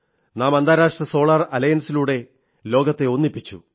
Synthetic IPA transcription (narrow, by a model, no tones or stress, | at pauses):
naːmɐnd̪ʱaːɾaːʂʈrɐso̞ːɭɐrɐlɐjɐnsiluːɽe̞ | lo̞ːɡɐt̪ːe̞onːipːit͡ɕːṵ